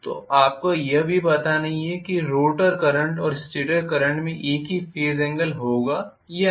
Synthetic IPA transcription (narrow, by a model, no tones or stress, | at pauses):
t̪o̰ːʔaːp̚kojɐɦbʱipɐt̪anɐɦĩɛkiɾoːʈəɾkɐɾə̃ɳʈɔːɾɪsʈeːʈəɾkɐɾə̃ɳʈmẽʔeːkɦifeːzɛ̃ːŋɡəlɦoːɡaː | jɐ